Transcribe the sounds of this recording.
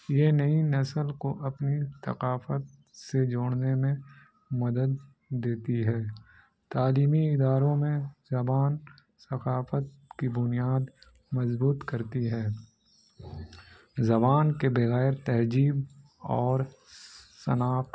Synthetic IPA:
jenɐinɐsəlkoʔɐpnisɐ̰qaːfət̪̚ | sed͡ʒoːɽ̃nemẽ | mɐd̪əd̪̚ː | eːt̪iɦɛː | t̪aːliːmiɪd̪aːɾõmẽzɐbaːn | sɐqaːfət̪̚ | kibʊnijaːd̪ | mɐzbuːt̪kɐɾt̪iɦɛː | zɐbaːnkebɐɣɛːɾt̪ɛɦd͡ʒiːb | ɔːɾ | sɐ̰naːq

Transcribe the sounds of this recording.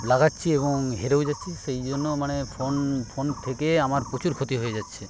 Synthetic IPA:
laɡatːɕʰieβoŋɦeɾewd͡ʑatːʃʰiʃejd͡ʑonːomanefʰonpʰont̪ʰekeamaɾpɾot͡ɕʰuɾkʰot̪iɦoed͡ʑatːɕʰe

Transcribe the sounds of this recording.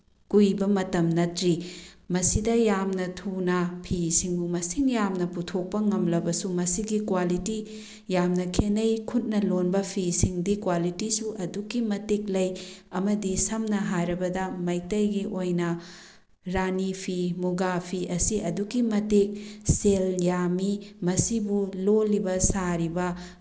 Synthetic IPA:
kujbɐmɐtɐmnɐtɾimɐsidɐjamnɐtʰunɐpʰisiŋbumɐsiŋjamnɐputʰok̚pɐŋɐmlɐbɐsumɐsiɡikwaliti | jamnɐkʰenɐjkʰut̚nɐlonbɐpʰisiŋdikwalitisuʔɐduɡimɐtek̚lɐjɐmɐdisɐmnɐɦajɾɐbɐdɐmɐjtɐjɡiʔojnɐ | ɾanipʰimuɡapʰiɐsiɐduɡimɐtek̚seljamimɐsibulolibɐsaɾibɐ

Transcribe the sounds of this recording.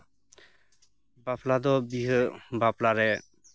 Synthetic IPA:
baplad̪ɔbiɦɯbaplaɾɛ

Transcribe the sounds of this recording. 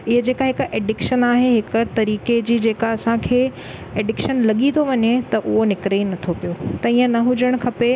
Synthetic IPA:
ɪɦəd͡ʑeːkaɦɪkeːɖɪkʃənaːɦeɦɪkət̪ɐɾiːked͡ʑiːd͡ʑeːkaɐsãkʰeː | eːɖɪkʃənlɐɠit̪ʰoʋɐɲet̪ɐʔʊɦonɪkɾinɐt̪ʰopijot̪ɐiːə̃nɐɦʊd͡ʑəɽ̃kʰɐpe

